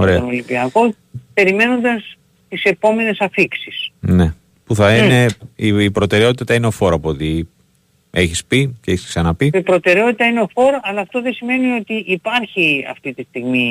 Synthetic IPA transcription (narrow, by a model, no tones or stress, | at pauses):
oɾenolipiɐko̞ | pe̞ɾime̞no̞nd̪ɐs | t̪ise̞po̞me̞ne̞sɐfiksisne̞ | puθɐine̞iːpɾo̞t̪e̞ɾe̞o̞t̪it̪ɐineofo̞ɾɐpuoot̪i | e̞çispiceeçisksɐnɐpiipɾo̞t̪e̞ɾeo̞t̪it̪ɐineofo̞ɾɐlɐːft̪o̞ðesime̞nio̞t̪iʔːpɐɾçiɐ̰ft̪it̪ist̪iɣmi